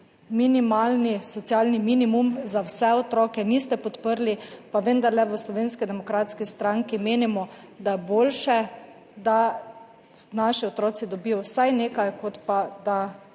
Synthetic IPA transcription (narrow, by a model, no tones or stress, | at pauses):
minimaːlnisɔt̪sjaːlniminimumzawsɛɔt̪ɾɔːkɛniːst̪ɛpɔt̪pəɾlipaʋənd̪aɾlɛʋəslɔʋeːnskid̪ɛmɔkɾaːt̪skist̪ɾaŋkimeːnimɔ | d̪ajɛboːlʃɛ | d̪a | naʃiɔt̪ɾɔːt̪sid̪ɔbiːjɔwsajneːkajkɔt̪pad̪a